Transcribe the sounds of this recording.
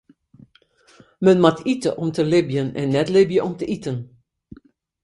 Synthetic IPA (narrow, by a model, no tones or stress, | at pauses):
mənmatʰitəʔɔmtəlɪbjənɛ̰nːɛtlɪbjəʔɔmtəʔitən